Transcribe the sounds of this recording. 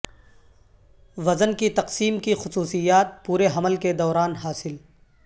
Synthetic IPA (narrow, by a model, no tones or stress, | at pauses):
ʋɐzənkit̪ɐqsiːmkixʊsuːsijaːt̪̚puːɾeɦɐməlked̪ɔːɾaːnɦaːsɪl